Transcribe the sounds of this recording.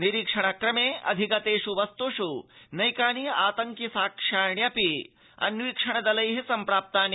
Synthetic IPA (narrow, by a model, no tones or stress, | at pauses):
niɾikʂɐɳ̃akɾɐmeːɐ̰d̪ʱikɐt̪eːʃuʋɐst̪uʂunɐjkaːnijaːt̪ɐŋkjisaːkʂaːɳjɐpi | ɐ̰nʋiːkʂɐɳ̃ɐd̪ɐlɐjɦisɐmpɾaːp̚t̪aːn